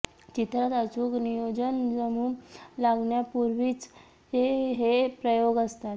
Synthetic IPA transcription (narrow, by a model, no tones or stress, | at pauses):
t͡ɕit̪ɾat̪ət͡suːknijod͡ʑənd͡zəmuːmlaɡɳjapuɾʋiːt͡s | eɦepɾəjoɡəst̪at̪